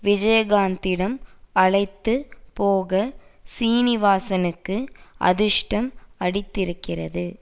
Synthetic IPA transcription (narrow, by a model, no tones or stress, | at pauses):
ʋɪd͡ʒɐjɐɣaːnd̪ɪɽɐmɐɻɐɪt̪ːɯpoːɣɐsiːnɪʋaːsɐnɯkːɯʔɐ̰ðɪʂʈɐmɐɽɪt̪ːɪɾɯkːɪrɐðɯ